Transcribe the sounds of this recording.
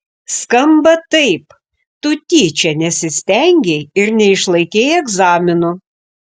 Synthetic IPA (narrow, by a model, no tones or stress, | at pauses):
skɐmbɐt̪ɐɪp | t̪ʊt̪ʲiːt͡ʃʲɛnʲɛsʲɪsʲt̪ʲɛŋʲɡʲɛɪɾnʲɛɪʃlˠɐɪkʲeːjɛɡzɑːmʲɪnʊ